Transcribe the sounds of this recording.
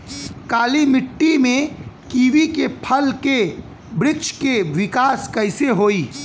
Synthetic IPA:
kaːlimɪʈːimẽkiːʋikepʰɐlke | bɾɪkʃkeʋɪkaːskɐɪseɦoːiː

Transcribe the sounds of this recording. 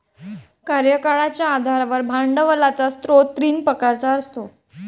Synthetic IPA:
kaɾjəkaɭat͡ɕjaːd̪ʱaɾaʋəɾbʱaɳɖəʋəlat͡sast̪ɾot̪ɾiːnpəkaɾt͡saəɾst̪o

